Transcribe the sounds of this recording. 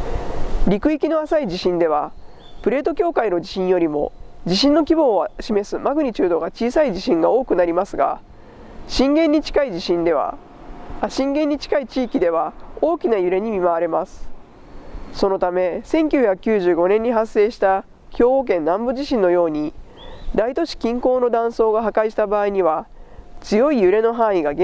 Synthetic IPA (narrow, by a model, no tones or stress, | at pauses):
ɾʲikɯ̟ikʲino̞asaid͡ʑiɕĩnd̪e̞β̞a | pɯ̟ɾe̞ːt̪o̞kʲo̞ːkaino̞d͡ʑiɕĩɰ̃jo̞ɾʲimo̞̰d͡ʑiɕĩnːo̞k̬ʲibo̞ːβaɕime̞sɨmaɡɯ̟ɲ̟it͡ɕɨːd̪o̞ɡat͡ɕiːsaid͡ʑiɕĩŋɡao̞ːkɯ̟naɾʲimasɨɡa̰ | ɕĩŋɡẽ̞ɲ̟ːit͡ɕi̥kaid͡ʑiɕĩnd̪e̞β̞a̰ | aɕĩŋɡẽɲ̟ːit͡ɕi̥kait͡ɕiːkʲid̪e̞β̞ao̞ːkʲinajɯ̟ɾe̞ɲ̟imʲimaβaɾe̞masɨ̥ | so̞no̞t̪ame̞sẽ̞ŋkʲɨːçʲakɯ̟kʲɨːʑɨːɡo̞nẽ̞ɲ̟ːiɦasːe̞ːɕi̥t̪a | çʲo̞ːoːk̬ẽ̞nːãmbɯ̟ʑiɕĩnːo̞jo̞ːɲ̟i | d̪ait̪o̞ɕi̥kʲĩŋko̞ːno̞d̪ãɰ̃so̞ːɡaɦakaiɕi̥t̪abaːiɲ̟iβat͡sɨjo̞ijɯ̟ɾe̞no̞ɦãɰ̃iɡaɡe